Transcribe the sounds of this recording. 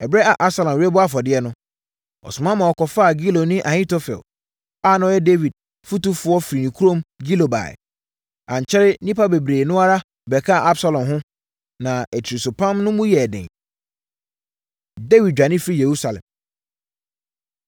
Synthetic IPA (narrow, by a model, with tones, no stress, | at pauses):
ɛ˨bɾɛ˦a˨ʔa˦bsa˨lɔ̃˨m˨ɾɪ˦ɛ˦bʊ˦a˦fɔ˨dɪ˦ɛ˦nʊ̃˦ | ɔ̰˨sʊ˨mã˦mã˨ɔ˨kʰɔ˨fa˦a˨ɡi˦lo˨nɪ̃˦ʔa˨hĩ˦to˦fɛ̰˨l | a˦˨nã˨˦ɛ˦de˦vi˨d̚ | fu˦tu˦fʊ˦ɔ˦fi˨ɾi˨nĩ˨kʰu˦ɾõ˦mɡi˦lo˨ba̰˨ | ã˨ɲ˨t͡ɕʰɛ˦ɾɪ˦nĩ˦pa˦be˨bɾeː˨nʊ̃˦a˦ɾa˦ | bɛ˨kʰa˦a˨ʔa˦bsa˦lɔ̃˨mɦʊ̃˦ | nã˨ɛ˨tʰi˨ɾi˨sʊ˨pʰã˦mnʊ̃˦mũ˦jɛ˨dɛ̰̃˨ | de˦vi˨d̚d͡ʑᶣa˨nɪ̃˦fɾi˦˨je˨ɾu˦sa˨lɛ̰̃˨m